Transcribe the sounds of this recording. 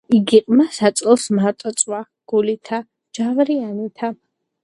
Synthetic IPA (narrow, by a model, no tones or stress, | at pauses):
iɡiqʼmasat̪sʼɛlˠsmaɾt̪ʼɔt̪sʼwa | ɡ̥ulit̪ʰa | d͡ʒavɾianit̪ʰa